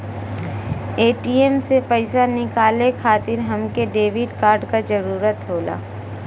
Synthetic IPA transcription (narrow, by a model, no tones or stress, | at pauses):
eːʈiːemsepəɪsanɪkaːlekʰaːt̪ɪɾɦɐmkeɖeːʋɪɖkaːɾɖkad͡ʒɐɾuːɾət̪ɦoːla̰ː